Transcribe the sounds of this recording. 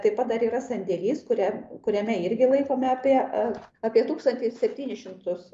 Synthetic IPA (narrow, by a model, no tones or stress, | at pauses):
t̪ɐɪpɐt̪̚d̪ɐɾiːɾɐsɐnʲd̪ʲeːlʲiːskʊɾʲɛkʊɾʲæmʲɛɪɾʲɡʲɪlˠɐɪkoːmʲɛɑːpʲiɛɑːpʲiɛt̪uːkst̪ɐnʲt̪ʲɪssʲɛpʲt̪ʲiːnʲɪsʃʲɪmt̪ʊs